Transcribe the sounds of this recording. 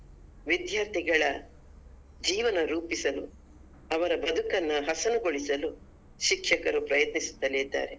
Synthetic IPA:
ʋid̪jaːɾt̪ʰiɡɐɭɐ | d͡ʒiːʋɐnɐɾuːpisɐlṵ | ɐʋɐɾɐbɐd̪ʱukɐnːɐɦɐsɐnuɡoɭisɐlu | ʃikʃɐkɐɾupɾɐjɐt̪nisu̥t̪ːɐleːd̪ːa̰ːɾe

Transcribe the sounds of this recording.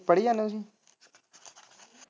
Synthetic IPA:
pəɽiãnõsĩ

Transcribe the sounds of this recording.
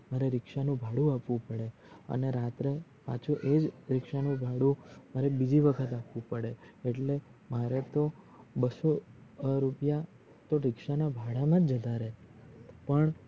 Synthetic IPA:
məɾeɾɪkʃanũbʱaɽũapʋũpəɽe | ə̰neɾat̪ɾe | pa̰t͡ʃʰuʔed͡ʒɾɪkʃanũbʱaɽũmaɾebid͡ʒiʋəkʰət̪apʋũpəɽeeʈlemaɾet̪o | bəsoɾupja | t̪oɾɪkʃanabʱaɽamãd͡ʒd͡ʒəd̪ʱaɾe | pəɳ

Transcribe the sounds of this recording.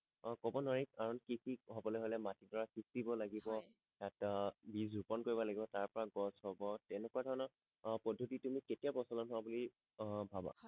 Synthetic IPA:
kɔbɔnɔɹik̚aɹɔnkikikɦɔbɔlɛɦojlɛmatidɔɹakisibɔlaɡibɔ | jatbizupɔnkoɹibɔlaɡibɔtaɹpɔɹaɡɔshɔbɔtɛnɛkuadʱɔɹɔnɔ | pɔdʱːotitumiketiabɔsɔlɔnɦʊwabuli | bʱaba̰

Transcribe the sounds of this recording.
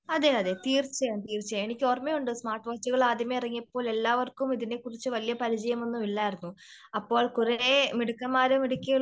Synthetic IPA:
ɐðeɐðet̪iːrt͡ɕːɐjaːnt̪iːrt͡ɕːɐjame̞nikʲːɨoːrmejuɳɖɨsmaːrʈːʋaːt͡ɕːuɣɐɭaːd̪ʱjɐmɐirɐŋːijɐpːo̞ːle̞lːaːʋɐrkumiðine̞kːurit͡ɕːɨʋɐlijɐpɐɾit͡ɕɐjɐme̞nːumilːaːjiɾunːu | ɐpːo̞ːɭkuɾɐɾemiɽukːɐmːaːɾumiɽukʲːɐɭ

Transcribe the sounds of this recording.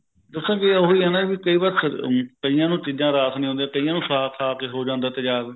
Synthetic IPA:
d̪əsãːɡeɦiːɛːnaːʋiːkəiːbaɾskəijãːnũːt͡ʃiːd͡ʒãːɾaːt̪nĩːõːnd̪jãːkəijãːnũːsaːk̪ʰaːkeːɦoːd͡ʒãːnd̪aːt̪eːd͡ʒaːɾ

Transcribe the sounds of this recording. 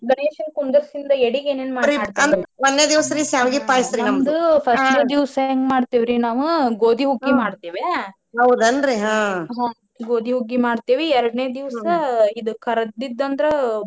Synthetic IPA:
ɡɐɳeːʃɐnkund̪ɐɾsind̪ɐeɽiɡeːneːnmaːɾit̪ɐnd̪ʋɐnːeːd̪iʋsɐɾisaːʋɡipaːjisɾinɐmd̪upʰɐsʈɐd̪iʋsŋɡmaːɖt̪iːʋɾinaːʋuɡoːd̪ʱiɦuɡːimaːɽt̪iːʋe | ɦɐwd̪ɐnɾiɦãːɦãː | ɡoːd̪ʱiɦuɡːimaːɖt̪iːʋiɛɾɐɽɐneːɐd̪iʋssɐid̪ukʰɐɾɐd̪id̪ːɐnd̪ɐɾe

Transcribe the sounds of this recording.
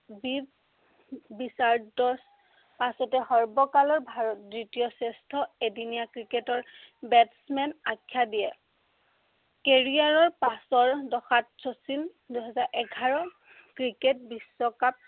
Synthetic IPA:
bib | bisaɹdɔɹs | pasɔtɛhɔɹbɔkalɔɹbʱaɹɔt̚dɹitijɔsɛstʰɔedinijakɹiketɔɹbɛtsmɛnakʰːjadijɛ | keɹiaɹɔɹpasɔɹdɔxatsosin | dujɦɛzaɹʔɛɡʱaɹɔ | kɹiket̚bisːɔkap̚

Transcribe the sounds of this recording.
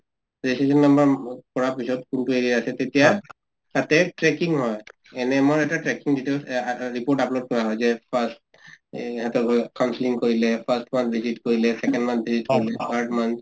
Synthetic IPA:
ɹisesɔnːambɔɹkɔɹapisɔt̚kuntueɹiaasɛtetija | tatɛʈɹɛkiŋɦɔj | ɛnɛmɔɹɛtaʈɹɛkiŋditelsɹipoɹʈaplod̚kɔɹaɦɔjzɛpʰast | ɦɛtɔkawnsiliŋkoɹilɛpʰastmant̪̚ʰbʱizitkoɹilɛsɛkɛndmant̪̚ʰbʱizitkoɹilɛpʰaɹdmant̪̚

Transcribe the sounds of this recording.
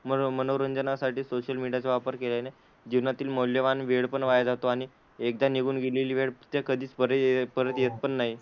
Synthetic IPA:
məmənowɾənd͡zənasaʈiːsoɕəlmiɽijat͡seʋapəɾkeljane | d͡ʑiʋnat̪iːlmowljəʋanʋeɽpəɳʋajad͡zat̪oaɽ̃i | ek̚d̪aniɡuːnɡeleliːʋeɽt̪jekəd̪ʱiːt͡spəɾpəɾət̪jet̪̚pəɳːaɦi

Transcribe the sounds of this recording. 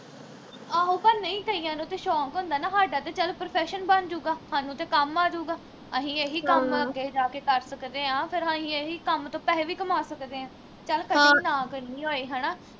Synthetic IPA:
aːɦũːkənːəĩːkəiːãːnũːt̪eːʃɔːkɦõːnd̪aːnaːɦaːɖaːt̪eːt͡ʃəlpɾopʰɛːʃənbənd͡ʒuːɡaːhaːnũːt̪eːkəmaːd͡ʒuːɡaː | əɦĩːeːɦiːkəməɡeːd͡ʒaːkeːkəɾsəkd̪eːãːpʰɪɾaːɦĩːeːɦiːkəmt̪õːpɛːʋiːkəmaːsəkd̪eːãː | t͡ʃəlkəinãːkəɾniːɦoːiːɦaːnaː

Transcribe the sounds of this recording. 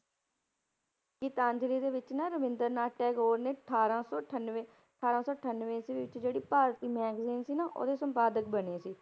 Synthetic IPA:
kit̪ãːɲd͡ʒliːd̪eːʋɪt͡ʃnaɾəʋɪ̃nd̪əɾnaːʈɛːɡoːɾneːʈʰaːɾãːsɔːnʋeː | əʈʰaːɾãːsɔːəʈʰənʋẽːsiːʋɪt͡ʃd͡ʒeːɽiːpaːɾt̪iːmɛːɡziːnsiːnaʔo̰ːd̪eːsəmpaːd̪ək̚bəneːsiː

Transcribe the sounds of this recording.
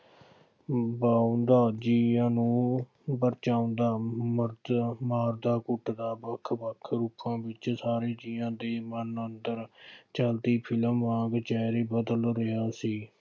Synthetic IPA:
baːõnd̪aːd͡ʒiːãːnũː | bəɾt͡ʃaːʊ̃nd̪aːməɾd̪maːɾd̪aːkʊʈd̪aːbəkʰbəkʰɾuːpãːbɪt͡ʃsaːɾeːd͡ʒiːãːd̪eːmənənd̪əɾt͡ʃəlt̪iːpʰɪləmːãːɡt͡ʃɛːɾeːbəd̪əlɾɪɦaːsiː

